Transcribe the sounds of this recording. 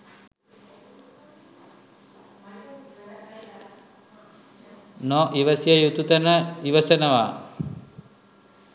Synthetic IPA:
nɔʔiʋəsijəjut̪ut̪ənəiʋəsənəʋa̰ː

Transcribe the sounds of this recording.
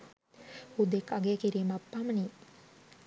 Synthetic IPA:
hud̪ekːaɡeəkiɾiːmapːaməni

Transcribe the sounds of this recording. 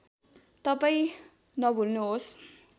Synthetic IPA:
t̪ʌpaĩ | nʌbʱulnuɦos

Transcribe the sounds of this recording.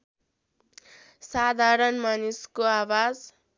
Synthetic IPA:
sad̪ʱaɾʌnmanuskoawad͡z

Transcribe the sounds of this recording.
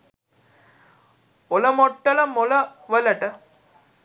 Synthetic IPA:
oləmoʈːɐlɐmoləʋəlɐʈə

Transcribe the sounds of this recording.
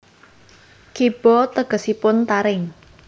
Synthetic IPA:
kib̥ɔt̪əɡ̥ə̤sipʊnt̪aɾɪŋ

